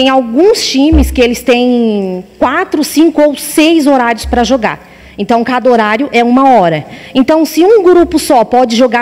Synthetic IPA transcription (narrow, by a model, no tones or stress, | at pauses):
ẽj̃awɡũst͡ʃĩmɪskɪelɪst̪ẽj̃kwat̪ɾʊsĩŋkʊowsejzoɾaɾjʊspɾɐʒoɡa̰ɾ | ẽnt̪ɐ̃w̃kad̪ɐoɾaɾjʊʔɛũmɐɔɾɐẽnt̪ɐ̃w̃sɪũɡɾupʊsɔpɔd͡ʒɪʒoɡa